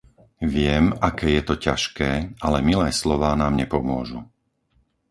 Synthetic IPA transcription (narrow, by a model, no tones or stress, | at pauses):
ʋɪɛmakɛːjɛt̪ɔcaʃkɛːalɛmilɛːslɔʋaːnaːmɲɛpɔmʊɔʒu